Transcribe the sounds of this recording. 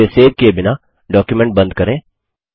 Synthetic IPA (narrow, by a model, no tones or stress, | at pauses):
eseːd̪̚kebɪna | ɖɔːkjumɛ̃ɳʈ̚bɐ̃nd̪kɐɾẽː